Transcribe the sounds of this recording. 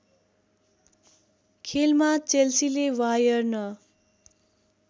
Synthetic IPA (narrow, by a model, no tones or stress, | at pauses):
kʰelmat͡selsilewajʌrnʌ